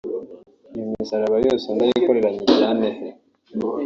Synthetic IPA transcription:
jumisaɾaβajo̞ːse̞ndajiko̞ɾe̞ɾaɲiaːnehe

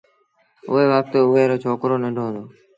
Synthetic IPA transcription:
ʊ̰ɦeːʋaːp̚t̪eːʊʋeːɾoːt͡ʃʰoːkɾoːnəɖʱoːɦnd̪oː

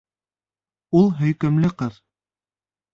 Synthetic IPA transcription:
ulˠɦɵ̆jkɘ̆mlɘqɤð

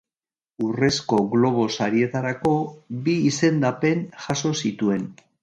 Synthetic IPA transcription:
ure̞sko̞ɣlo̞β̞o̞saɾie̞t̪aɾako̞biːse̞nd̪ape̞nʝaso̞sit̪ue̞n

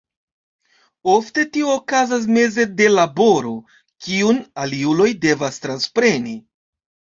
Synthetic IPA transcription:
o̞fte̞tioːkazas̬me̞ze̞de̞labo̞ɾo̞ | kiunaliulo̞jde̞vastɾanspɾe̞ni

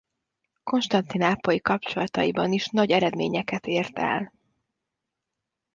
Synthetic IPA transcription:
ko̞nʃt̪ɒnt̪inaːpːojikɒp̚t͡ʃo̞lɒt̪ɒ̰jibɒniʃnɒɟɛɾɛd̪mḛːɲɛkɛt̪eːrt̪ɛ̰l

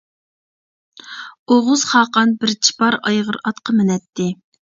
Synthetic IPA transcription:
oʁʊz̥χɑːqɑnbɪɾt͡ʃʰi̥pɑɾɑjʁəɾɑt̪qʰəmɪnɛt̪ʰːɪ

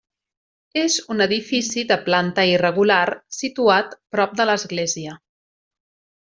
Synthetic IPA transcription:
ezunəðifisiðəplant̪əirəɣularsit̪uat̪pɾɔp̚d̪ələzɣleziə

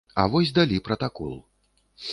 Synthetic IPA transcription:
ɐ̰vɔsʲd̪alʲipɾɐt̪akɔ̰lˠ

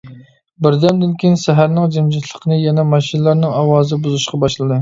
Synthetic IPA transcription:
bɪɾd̪ɛmd̪ɪnkʲinsɛɦæɾnɪŋd͡ʒɪmd͡ʒɛt̪ʰlˠəqʰənɨjɛnɛmɑʃinɨlˠɑɾnɨŋɑwɑːzɨbuzuʃqʰɑbɑʃlˠɨd̪ɨ

